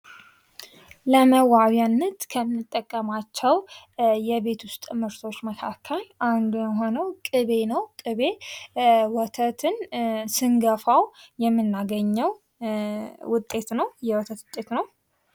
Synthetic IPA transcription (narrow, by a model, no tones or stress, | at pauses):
ləməwaβjanːət̪kʰəmɨnːɨt̪ʼːəkʼːəmat͡ʃːɛw | jɛβe̞t̪ʰʊst̪ʼmɨɾt̪ʰo̞t͡ʃːməkʰakʰːəlʔand̪ujɛɦo̞nəwkʼɨβe̞nəwkʼɨβe̞ | wɔt̪ʰət̪ʰɨnsɨŋɡəfawjɛmːɨnːaɡəɲːɛw | wʊt̪ʼːe̞t̪nəwjɛwɔt̪ʰət̪t̪ʼːe̞t̪nəw